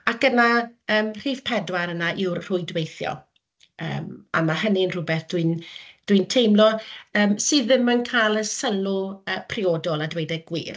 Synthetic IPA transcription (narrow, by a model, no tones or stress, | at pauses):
akənaəːmr̥iːvpʰɛdwaɾənaʔɪwrr̥ʊɨdwejθjɔ̰ | ə̰ːma̰maɦəniənrʊbɛθd̥wind̥wiɨntʰejmlɔəːmsɨːðɪmənkʰajlˠəsəlʊəːpʰriɔːdɔlˠadwejdɛɡ̥wḭːr